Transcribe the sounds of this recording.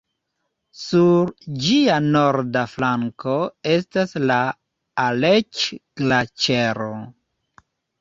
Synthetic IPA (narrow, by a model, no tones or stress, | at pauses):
suɾd͡ʒiano̞ɾdaflaŋko̞e̞staslaː | let͡ʃɡ̥lat͡ʃeɾo